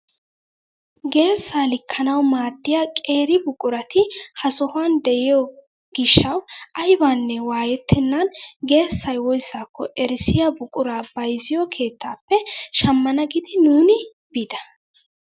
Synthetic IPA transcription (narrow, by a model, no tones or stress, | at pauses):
ɡe̞ːsːaːlɪkʰːɐnɐwmaːd̪ːɪjaːkʼe̞ːɾɪbʊkʼʊɾɐt̪ɪhɐsɔhaːnd̪ɛʔɪjɔ | ɡɡ̥ɪʃːɐwʔɐjbaːnːɛwaːjɛt̪ʰːɪnːɐnɡe̞ːsːɐjwɔjsːaːkːɔʔɛɾɪsɪjabʊkʼʊɾaːbɐjzɪjɔkʰe̞ːt̪ːaːpːɛʃɐmːɐnɐɡɪd̪ɪnuːnɪ | b̥ɪd̪ɐ̥